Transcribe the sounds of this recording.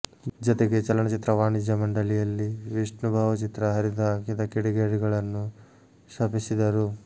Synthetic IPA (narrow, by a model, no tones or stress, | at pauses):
d͡ʒɐt̪eɡe̞t͡ʃɐlːɐɳɐt͡ʃit̪ɾɐʋaːɳid͡ʒjɐmɐɳɖɐlijɐlːiʋiʂɳubʱaːʋɐt͡ʃit̪ɾɐɦɐɾid̪ɐkid̪ɐkiɽiɡeːɽiɡɐɭɐnːu | ʃɐpisid̪ɐɾu